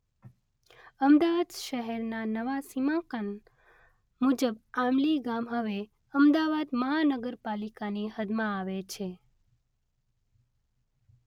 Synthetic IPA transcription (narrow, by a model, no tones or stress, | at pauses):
əmd̪aʋad̪ʃəɦɛɾnanəʋasimãkən | mud͡ʒəbamliɡamɦəʋe | əmd̪aʋad̪məɦanəɡəɾpalikaniɦəd̪mãːʋet͡ʃʰe